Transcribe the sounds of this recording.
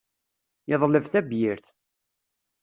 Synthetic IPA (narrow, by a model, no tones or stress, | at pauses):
jəðˤləvθæbjɪɾθ